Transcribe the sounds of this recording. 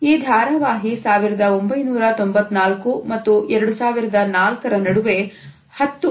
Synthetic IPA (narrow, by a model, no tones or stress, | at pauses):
iːd̪ʱaːɾɐʋaːɦisaːʋiɾɐd̪ɐo̞mbɐjnuːɾɐt̪ombɐt̪ːnaːlkumɐt̪ːuɛɾɐɽusaːʋiɾɐd̪ɐnaːlkɐɾɐnɐɽuʋe̞ | hɐt̪ːu